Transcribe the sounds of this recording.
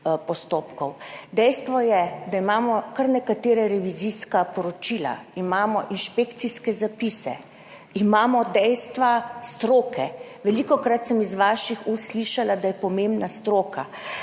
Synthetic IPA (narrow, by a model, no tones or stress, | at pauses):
pɔst̪oːpkɔwd̪ɛjst̪ʋɔjɛd̪aimaːmɔkaɾnɛkat̪eːɾɛɾɛʋiziskapɔɾɔt͡ʃila̰imaːmɔʔinʃpekt̪siskɛzapisɛ̰ | imaːmɔd̪ɛjst̪ʋast̪ɾoːkɛ | ʋɛlikɔkɾat̪sɛmizʋaːʃixusliʃalad̪ajɛpɔmẽmbnast̪ɾoːka